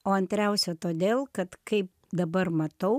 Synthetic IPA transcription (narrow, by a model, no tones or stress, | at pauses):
oːɐnʲt̪ʲɾʲɛʊsʲɛt̪oːd̪ʲeːlˠkɐt̪kɐɪp̚ | d̪ɐbɐɾmɐt̪ɐʊ